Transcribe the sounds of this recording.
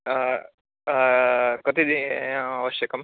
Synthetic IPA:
kot̪id̪iaʋɐʃjɐkɐm

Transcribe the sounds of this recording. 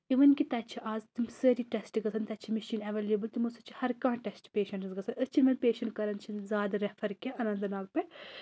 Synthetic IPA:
iʋɐnkit̪ɐt͡ʃʰiʔaːzt̪imsəɾiʈɛsʈɡɐsʰɐnt̪ɐt͡ʃʰimɐʃiːnɐʋeːleːbɨlt̪umɐsɐt͡ʃʰi̥hɐɾkãːʈɛsʈpeːʃɐɳʈɨsɡɐsʰɐnɐt͡ʃʰinmɐnpeːʃɐɳʈkɐɾɐnt͡ʃʰinzʲaːd̪ɐɾɛfʰɐɾkʲeʔɐnɐ̃nd̪ɨnaːlpɐ

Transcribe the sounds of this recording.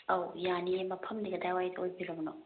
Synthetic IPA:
ɐwjanimɐpʰɐmd̪iɡɐd̪ajwajd̪ojbiɾɐmno

